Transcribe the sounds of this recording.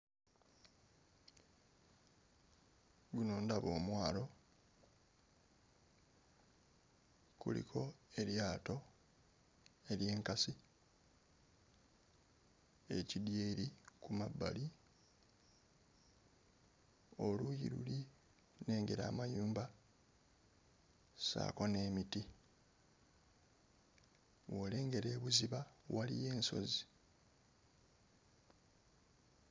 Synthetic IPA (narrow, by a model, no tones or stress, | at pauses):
ɡuno̞ːndaβo̞ːmwaːlo̞ | kṵlḭkʰo̞e̞ljaːto̞ | e̞lje̞ːŋkasi | e̞cidje̞ːɾikumabːa̰li | o̞lujḭɾṵli | ne̞ːŋɡe̞ɾa̰ːmajuːmba | sa̰ːko̞ne̞ːmiti | wo̞ːle̞ːŋɡe̞ɾe̞ːβuziβawalḭje̞ːnso̞̰zi